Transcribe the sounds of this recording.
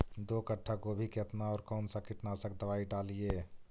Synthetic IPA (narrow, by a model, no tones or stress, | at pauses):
d̪okəʈʰːakobʱiket̪naɔːɾkɔːnsakiʈnasəkd̪əʋaiɖalije